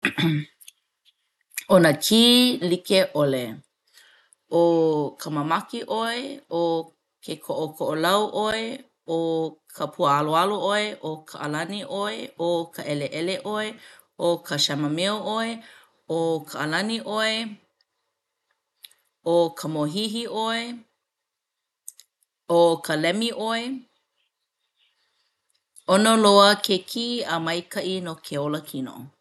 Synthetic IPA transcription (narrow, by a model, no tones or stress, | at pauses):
onəkʰiːlikeʔole | ʔokʰəmamɐkiʔoeo | kʰekʰoʔokʰoʔolɐwʔoe | okʰəpʰuəaloaloʔoeʔokʰaʔɐ̰lɐniʔoeokʰəʔɛleʔɛleʔoe | ʔokʰəʃɛməmeoʔoe | okʰəʔːlɐniʔoe | okʰəmoɦiɦiʔoe | okʰəlɛmiʔoe | onoloəkʰekʰiəmɐjkʰɐʔinokʰeoləkʰino̰